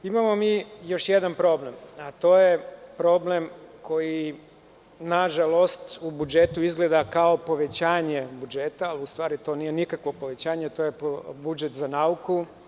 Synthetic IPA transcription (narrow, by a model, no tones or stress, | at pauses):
imamo̞miːjo̞ʃjed̪anpɾo̞blemat̪o̞ːjepɾo̞ːble̞mko̞ji | naʒalˠo̞st̪ubud͡ʒet̪uizɡle̞d̪akao̞po̞ʋe̞t͡ɕaːɲe̞bud͡ʒeːt̪aːliust̪ʋaːɾit̪o̞ːniːjenikakʋo̞po̞ʋet͡ɕaːɲet̪ojepbud͡ʒet̪zanauku